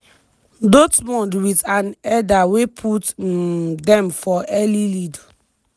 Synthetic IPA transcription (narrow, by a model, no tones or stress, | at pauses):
dotmɔ̃ndwitãnɛdawepʰut | dɛ̃mfɔɛlilid